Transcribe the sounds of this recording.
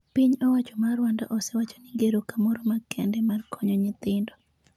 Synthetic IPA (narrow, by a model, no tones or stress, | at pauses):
piɲɔwat͡ʃɔmarwandɔ̰ʔɔsɛwat͡ʃo̥nɪɡeɾokamɔɾomakɛndɛmarkʰɔɲoɲɪt̪ɪndɔ